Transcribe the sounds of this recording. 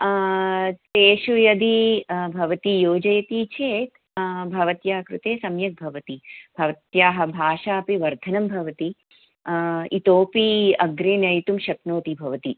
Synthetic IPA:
t̪eːʃujɐd̪ibʱɐʋɐt̪ijoːd͡ʒɐjɐt̪it͡ʃʰeːt̪ | bʱɐʋɐt̪jaːɐkɾut̪eːsɐmjɐk̚bʱɐʋɐt̪ibʱɐʋɐt̪jaːɦɐ̆bʱaːʃaːpiʋɐɾd̪ʱɐnɐmbʱɐʋɐt̪i | it̪oːpiɐɡɾeːnɐjt̪umʃɐknoːt̪ibʱɐʋɐt̪i

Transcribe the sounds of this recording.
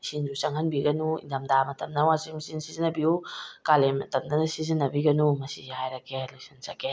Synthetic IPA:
sinzusaŋhanbiɡɐnuḭndamdamɐtɐmnawasimisinsizinabiukalematamdansizinabiɡɐnumasḭajɾakelusinsake

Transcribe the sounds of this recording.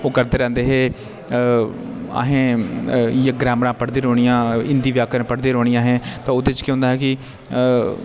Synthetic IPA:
oːkəɾd̪eːɾɛ̃ːnd̪eːɦeː | a̰ːɦẽː | jaɡɾɛːmɾãːpəɽd̪eːɾoːɳ̃ɪjãːɪ̃nd̪iːʋjaːkənːpəɽd̪eːɾoːɽ̃ɪjãːɦɛ̃ːt̪ãːʊd̪eːt͡ʃkːɦʊ̃nd̪aːɦɛːkɪ

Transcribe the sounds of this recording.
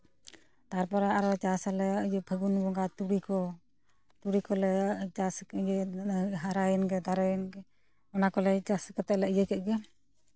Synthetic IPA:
t̪aɾpɔɾaaɾɔt͡ʃasalɛəjupʰəɡunbɔŋɡat̪uɽikɔ | t̪uɽikɔlɛt͡ʃasjɛɦaɾajɛnɡɛd̪aɾajɛnɡɛ | ɔnakɔlɛt͡ʃaskɔt̪ɛʔlɛʔjəkɛʔ̪̚ɡɛ

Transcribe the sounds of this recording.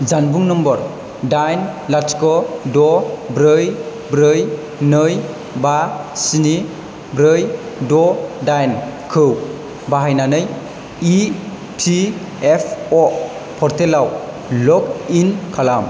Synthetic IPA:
d͡ʒanbuŋnɔmbɔɾ | dajnlaskɔdɔbɾɯj | bɾɯj | nɯj | basini | bɾɯj | dɔdajnkʰɯw | baɦajnanɯj | i | tʰi | epʰɔ | pʰɔɾtʰelaw | lɔkinkʰalam

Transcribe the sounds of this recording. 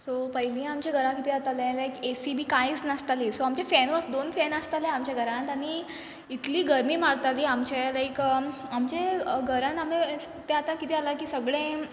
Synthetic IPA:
sopəɦilĩamt͡ɕeɡʱəɾãkit̪iːat̪alẽlajkesibiːkãjt͡snast̪alisoamt͡ɕefɛnʋəsd̪onfɛnast̪aleamt͡ɕaɡʱəɾãnt̪aɽ̃i | it̪liːɡəɾmiːmaɽt̪aliːamt͡ɕelajkamt͡ɕeɡʱəɾãname | t̪eat̪ãkit̪ialakiːsəɡɭẽ

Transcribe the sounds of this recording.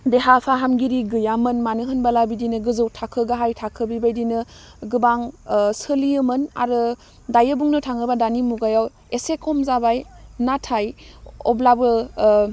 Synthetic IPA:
deɦapʰaɦamɡiɾiɡɯjamɯnmanɯɦɯnbalabidinɯɡɯzɯwtʰakʰɯɡaɦajtʰakʰɯbibajdinɯ | ɡɯbaŋsɯliɯmɯna̰ɾɯ | dajɯbuŋnɯtʰaŋɯbadanimuɡajaw | esekʰɔmzabajnatʰajɔ̰blabɯ

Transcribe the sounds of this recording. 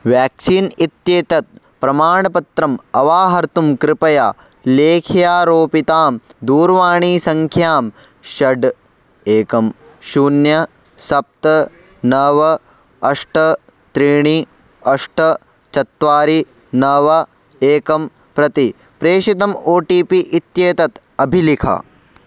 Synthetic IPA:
ʋjaːk̚siːnit̪jeːt̪ɐt̪̚ | pɾɐmaːɳɐpɐt̪ɾɐmɐʋaːɦɐɾt̪umkɾɪpɐja | leːkʰjaːɾoːpit̪aːmd̪uːɾʋaːɳiːsɐŋkʰjaːm | ʃɐɖ | eːkɐm | ʃuːnjɐ | sɐp̚t̪ɐ | nɐʋɐ | ɐʂʈɐ | t̪ɾiːɳ̃i | ɐʂʈɐ | t͡ʃɐt̪ʋaːɾi | nɐʋɐ | eːkɐm | pɾɐt̪i | pɾeːʃit̪ɐmoːʈiːpiʔit̪jeːt̪ɐt̪ | ɐbʱilikʰɐ̰

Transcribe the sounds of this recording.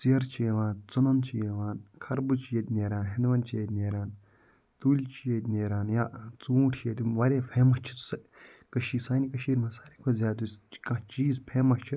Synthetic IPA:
siɐɾt͡ʃʰijeʋaːnt͡sunɐnt͡ʃʰijeʋaːnkʰɐɾbut͡ʃijɐt̪ʲneːɾaːnɦenʋɐnt͡ʃijet̪ʲneːɾaːn | t̪uːlʲt͡ʃʰijet̪ʲneːɾaːnjaːt͡suːʈt͡ʃʰijet̪ʲuʋaɾʲeːpʰeːmɐt͡ʃʰi̥sɐkɐʃiːsaːnikɐʃiːɾʲmãsaːɾikʰozʲaːt̪uskãt͡ʃiːzpʰeːmɐt͡ʃʰɨ

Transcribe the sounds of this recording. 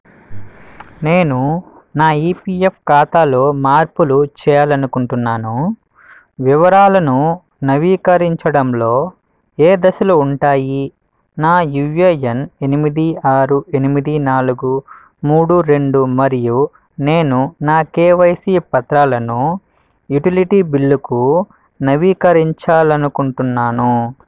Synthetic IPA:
ne̞ːnu | naːiːpiːepʰkaːt̪aːlo̞ːmaːɾpulut͡ʃɛːjaːlɐnukuɳʈunːaːnu | ʋiʋɐɾaːlɐnu | nɐʋiːkɐɾiɲt͡ʃɐɽɐmlo̞ː | eːd̪ɐsɐlɐuɳʈaːji | naːjuejene̞nimid̪iaːɾue̞nimid̪inaːluɡu | muːɽuɾe̞ɳɖumɐɾiju | neːnunaːkeːʋɐjsiːpɐt̪ɾaːlɐnu | juʈiliʈiːbiɭːuku | nɐʋiːkɐɾiɲt͡ʃaːlɐnukuɳʈunːaːnu

